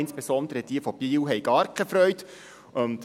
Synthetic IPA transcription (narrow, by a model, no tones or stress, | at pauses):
ɪnsb̥ɛsɔnd̪əɾəd̥iəfɔb̥iːwɦɛjɡ̥ɑːɾkʰɛfɾœʏt | ʊnt̪